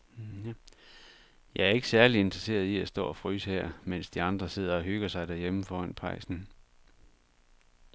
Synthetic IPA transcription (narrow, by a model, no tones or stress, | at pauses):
jæ | jɑ̈ɪæɐe̝ɡ̥əsæɐlie̝nd̥ʁɐse̝̰ːɐð̞ˠiæsd̥ɔ̰ːɒ̽fʁyːshɛɐ̰men̰sd̥iɑ̈nd̥ʁɐse̝ð̞̰ˠɐɒ̽ɦøɡ̥ɐsɑ̈ɪd̥æɐjeməfɒːæn̰pʰɑ̈ɪsn̩